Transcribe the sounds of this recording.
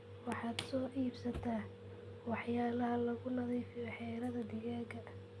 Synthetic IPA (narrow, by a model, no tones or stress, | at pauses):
wɑħɑːd̪sɔːʔiːbsɐt̪ʰaː | wɑħjaːlɐɦɐlɐɣʊnɐðiːfɪjɔħɛːɾɐðɐd̪ɪɣaːɡɐ